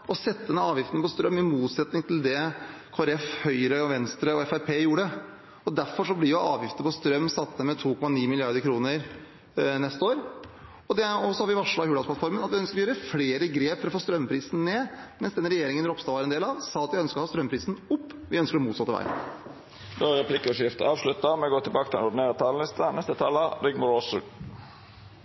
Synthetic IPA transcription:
ɔsɛt̪ːəd̪ɛnːəɑːʋjɪft̪ən̩pɔst̪ɾœmːɪmuːt̪sɛt̪nɪŋt̪ʰɪld̪ɛkʰoːæɾɛfhœʏɾəɔʋɛnst̪ɾəɔɛfæɪpʰeːjuːɖə | ɔd̪æɾfɔɾʂɔblɪjʊʔɑːʋjɪft̪əpʰɔst̪ɾœmːsɑt̪ːəmɛt̪ʰuːkʰɔmɑniːmɪlɪɑɾd̪əɾkʰɾuːnəɾ | nɛst̪əoːɾ | ɔd̪ɛɔsɔhɑɾʋɪʋɑʂɭɑhʉːlɑd̪plɑfɔɾmənɑt̪ʋɪœnskəɾɔjøːɾəfleːɾəɡɾeːpfɔɾɔfoːst̪ɾœmːpʰɾiːsn̩neːmɛnsd̪ɛnɾɛjeːɾɪŋənɾɔpst̪ɑːʋɑɾɛnd̪eːlɑʋsɑːɑt̪jæɪœnskəɾɔhɑːst̪ɾœmpʰɾiːsn̩ʊpːʋɪœnskəɖ̪ɔmuːt̪sɑt̪ːəʋ̰ɪ̰n | d̪øʁɛpʰlɪkːɔʂjɪft̪ə̰ɑːʋʂlʉt̪əmɛɡoːt̪ɪlbɑːkət̪ɪlɛnʊd̪ɪneːɾət̪ʰɑːl̩ɪst̪ənɛst̪ət̪ʰɑləd̪ɪɡmʊosə

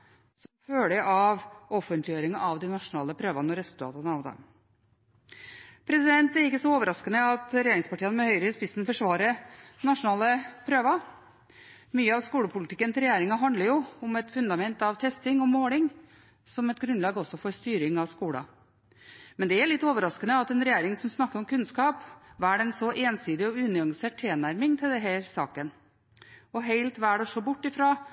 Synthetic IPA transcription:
sɔmføːɭəʔɑʋɔfənt̪lɪjøːɾɪŋɑʔɑʋd̪ɪnɑʂʊnɑːləpʰɾøːʋɑnɔɾɛsʉlt̪ʰɑ̰ːt̪ənəɑʋd̪ɑ̰m | pʰɾɛsɪd̪ɛnt̪æɾɪkːəsɔoːʋəɾɑskənəɑt̪ɾɛjeːɾɪŋspɑʈiːənəmɛhœʏɾəɪspɪsn̩fɔʂʋɑːɾənɑʂʊnɑːləpʰɾøːʋɑ | myːəɑʋskuːɽəpʰʊlɪt̪ʰɪkːənt̪ʰɪɾɛjeːɾɪŋɑɦɑnd̪ləɾjʊʊmɛt̪fʉnd̪ɑmɛnt̪ɑʋt̪ʰɛst̪ɪŋɔmoːlɪŋ | sɔmɛt̪ɡɾʉnlɑːɡɔsːɔfɔɾst̪yːɾɪŋɑʋskuːɽɑ̰ | mɛnd̪ɛæɾɭɪt̪ːoːʋəɾɑskənəɑt̪ɛnɾɛjeːɾɪŋsɔmsnɑkːəɾɔmkʉnskɑːpʋæːɖɛnsɔʔeːnsyːd̪ɪɔʉːnɪɑŋseːʈ̚t̪ʰeːnæɾmɪŋt̪ʰɪld̪ɛɦæːɾsɑ̰ːkən | ɔɦeɪlt̪ʋæːɖɛʂɔbʊʈːɪfɾɑː

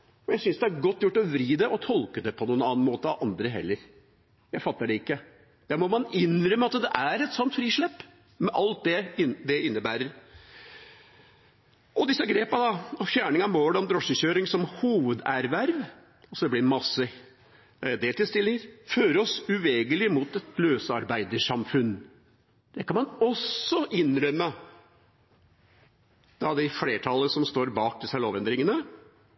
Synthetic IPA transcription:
fɔjæsʏnsd̪ɛæɾɡɔt̪ːjʊʈːɔʋɾiːd̪ɛʔɔt̪ʰɔlkəd̪ɛpʰɔnuːənɑːnmoːt̪əɑʋʔɑnd̪ɾəɦɛ̰lːəɾ | jæɪfɑt̪ːəɖɛɪkːə | d̪̥æːɾmɔmɑnɪnɾœmːəɑt̪d̪ɛʔæɾɛt̪sɔnt̪fɾiːʂɭɛpː | mɛʔɑlt̪̚d̪ɛɪd̪ɛɪnːəbæːɾəɾ | ʔɔd̪ɪsːɑɡɾeːpɑd̪ɑɔfjæːɳɪŋɑmoːɽɛɔmd̪ɾɔʂəɕøːɾɪŋsɔmhuːʋəd̪æɾʋæɾʋ | ɑsɔd̪ɛblɪɾmɑsːə | d̪eːlt̪ɪlst̪ɪlːɪŋəɾføːɾɔsʉʋeːɡəlɪmuːt̪ɛt̪løːsɑɾbæɪd̪əʂɑmfʉn | d̪̥ɛkʰɑnmɑnɔsɔʔɪnɾœmːə | d̪̥ɑd̪ɪfleːʈʰɑlːəsɔmst̪oːɾbɑːk̚d̪ɪsəloːʋɛnd̪ɾɪŋənə

